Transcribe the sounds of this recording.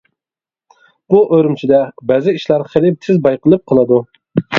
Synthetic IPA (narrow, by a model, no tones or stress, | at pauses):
b̥uʔøɾymt͡ʃʰid̪ɛbæːzɪiʃlˠɑɾχelɪp̚t̪ʰɪzbɑjqəlˠɨp̚qʰəlˠɨd̪u